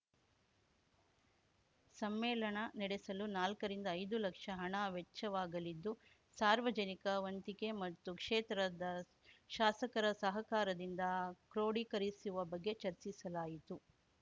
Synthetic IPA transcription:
sɐmːɛːlɐɳɐnɛɽesɐlunaːlkɐɾind̪ɐːjd̪ulɐkʂɐɦɐɳɐʋet͡ʃːɐʋaːɡɐlid̪ːu | saːɾʋɐd͡ʒɐnikɐʋɐnt̪ikemɐt̪ːukʂeːt̪ɾɐd̪ɐ | ʃaːsɐkɐɾɐsɐɦɐkaːɾɐd̪ind̪ɐkɾoːɽikɐɾisuʋɐbɐɡːe̞t͡ʃɐɾt͡ʃisɐlaːjit̪u

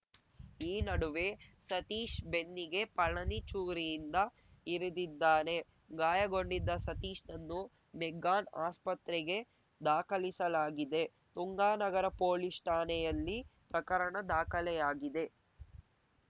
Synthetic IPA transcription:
iːnɐɽuʋe̞sɐt̪iːʃbe̞nːiɡe̞pɐɭːɐnit͡ʃuːɡɾijind̪ɐ | iɾid̪id̪ːaːne̞ | ɡaːjɐɡo̞ɳɖid̪ːɐsɐt̪iːʂnɐnːu | meɡaːnaːspɐt̪ɾɛɡe̞ | d̪aːkɐlisɐlaːɡid̪e̞ | t̪uŋɡaːnɐɡɐɾɐpoːlisʈaːnɛjɐlːipɾɐkɐɾɐɳɐd̪aːkɐlɛjaːɡid̪e̞

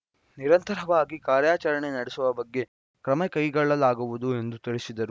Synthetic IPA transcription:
niɾɐnt̪ɐɾɐʋaːɡikaːɾjaːt͡ʃɐɾɐɳe̞nɐɽesuʋɐbɐɡːe̞ | kɾɐmekɐjɡɐɭɐlaːɡuʋud̪ue̞nd̪ut̪ɐɭisid̪ɐɾu

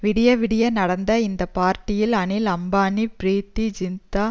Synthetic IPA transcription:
ʋɪɽɪjɐʋɪɽɪjɐnɐɽɐnd̪ɐɪnd̪ɐpaːɾʈɪjɪlɐɳɪlɐmbaːnipɾiːt̪ːid͡ʒɪnt̪aː

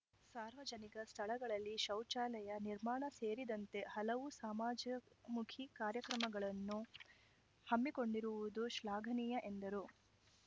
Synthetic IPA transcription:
saːɾʋɐd͡ʒɐniɡɐst̪ʰɐɭɐɡɐɭɐlːiʃɐwt͡ʃaːlɛjɐniɾmaːɳɐse̞ːɾid̪ɐnt̪e̞hɐlɐʋusaːmaːd͡ʒɐmukʰikaːɾjɐkɾɐmɐɡɐɭɐnːu | hɐmːiko̞ɳɖiɾuʋud̪uʃlaːɡʱɐniːjɐʔe̞nd̪ɐɾu

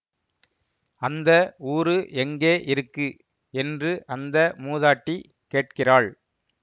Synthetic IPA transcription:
ɐnd̪ɐuːɾɯʔɛŋɡeːʔɪɾɯkːɯ | ɛndrɯʔɐnd̪ɐmuːðaːʈːi | keːʈ̚kɪraːɭ

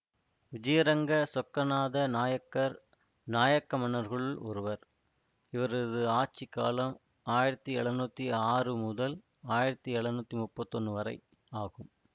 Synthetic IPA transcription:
ʋɪd͡ʒɐjɐɾɐŋɡɐsɔkːɐnaːðɐnaːjɐkːɐɾ | naːjɐkːɐmɐnɐɾɣɐɭɯlɔ̰ɾɯʋɐɾ | ɪʋɐɾɐðɯaːt͡ʃːikːa̰ːlɐm | aːjɪɾɐt̪ːiɛɭɐnuːt̪ːiaːrɯmʊðɐl | aːjɪɾɐt̪ːiɛɭɐnuːt̪ːimʊpːɐt̪ːɔnrɯʋɐɾɐɪ | aːɣɯm

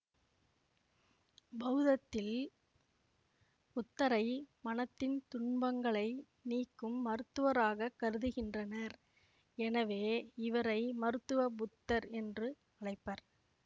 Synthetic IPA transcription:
bɐɯðɐt̪ːɪl | pʊt̪ːɐɾɐɪmɐnɐt̪ːɪnt̪ʊɳbɐŋɡɐɭɐɪ | niːkːɯmːɐɾɯt̪ːɯʋɐɾaːɣɐkːɐɾɯðɯɣɪndrɐnɐɾ | ɛnɐʋeːɪʋɐɾɐɪmɐɾɯt̪ːɯʋɐbʊt̪ːɐɾɛndrɯ | ɐɭɐɪpːɐɾ

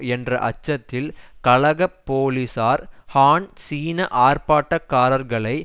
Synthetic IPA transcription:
ɛndrɐ̰ʔɐ̰t͡ʃːɐt̪ːɪlkɐlɐɣɐpːoːlisaːɾhaːɳsiːnɐʔaːɾpaːʈːɐkːaːɾɐɾɣɐɭɐɪ

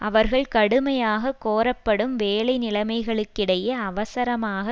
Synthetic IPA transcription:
ʔɐʋɐɾɣɐɭkɐɽɯmɐjaːɣɐkːoːɾɐpːɐɽɯmʋeːlɐɪnɪlɐmɐɪɣɐɭɯkːɪɽɐjɐːʋɐsɐɾɐmaːɣɐ

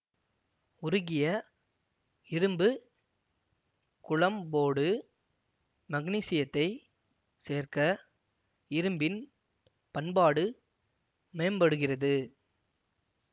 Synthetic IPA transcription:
ʊɾʊɣɪjɐ | ɪɾɯmbɯ | kʊɭɐmboːɽɯ | mɐɣniːsɪjɐt̪ːɐɪ | seːrkɐ | ɪɾɯmbɪn | pɐnbaːɽɯ | mejɐmbɐɽɯɣɪrɐðɯ

